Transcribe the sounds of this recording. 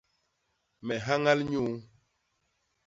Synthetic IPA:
mɛ˨ɦa˦ŋa˦lɲu˦

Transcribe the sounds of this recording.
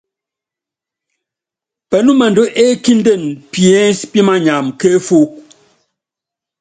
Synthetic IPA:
pɛ˨nu˦mɛ˨ndo˦ʔe˦ki˦n˦de˦˨npjɛ˦spi˦ma˦ɲa˨mke˦fu˦

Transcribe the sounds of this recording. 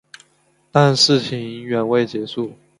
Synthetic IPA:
t̪a˥˧nʂɻ̩˥˩t͡ɕʰi˧˥ŋi˧˥ŋɥɛ˨˧˥nwe˥˩ɪt͡ɕjɛ˧˥ʂu˥˩

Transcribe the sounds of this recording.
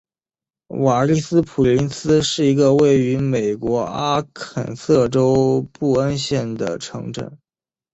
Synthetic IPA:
wa˨˩li˥˩sɹ̩˥pʰu˨˩li˧˥nsɹ̩˥ʂɻ̩˥˩i˧˥ɡə˧we˥˩ɪy˧˥me˨˩ɪkwɔ˧˥a˥kʰə̰˨˩nsɤ˥˩ʈ͡ʂo˥ʊpu˥˩ə˥nɕjɛ˥˩nd̪ə̰˩ʈ͡ʂʰɤ˧˥ŋʈ͡ʂə̰˨˩˦

